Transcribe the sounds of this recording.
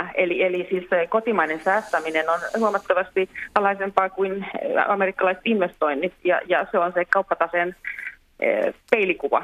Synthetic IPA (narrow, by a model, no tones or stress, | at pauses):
elielisiːssekot̪imɑinensæːst̪æminenonhuɑmɑt̪ːɑʋɑst̪iɑlːɑisempɑːkuinɑmerikːɑlɑisĕ̥t̪inʋest̪oinːit̪jɑ̰jɑseonsekɑupːɑt̪ɑsen | peilikuʋɑ̰